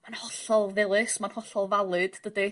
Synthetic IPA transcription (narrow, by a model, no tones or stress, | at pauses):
manhɔɬɔlˠvɪlˠɨsmanhɔɬɔlˠvalˠɨd̥d̥ədɨ